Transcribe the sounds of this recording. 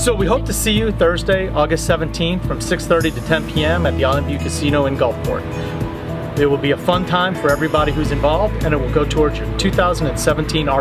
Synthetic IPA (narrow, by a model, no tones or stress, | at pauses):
soʊwiɦoʊp̚tʰɨsijɨθɜ˞zdeɪʔɔɡɨstsɛvɨ̃n̩tʰĩnθfɹʌ̃msɪksθɜ˞ɾiɾɨtʰɛ̃npʰiɛ̃mɨt̪̚ðiɑlˠɪ̃mpjʉkʰɨsĩɾ̃ñoʊɨ̃nɡʌlˠfpʰɔ̰ɹt | ɪt̚wəlˠbiɨfʌ̃ntʰãɪ̃ɱfə˞ɛvɹibɑɾihʉzɨ̃ɱvɑlˠvdɨ̃ñɨt̚wəlˠɡoʊtʰɔɹdzə˞tʰʉθaʊz̃n̩dɨ̃nsɛṽn̩tʰĩnɑ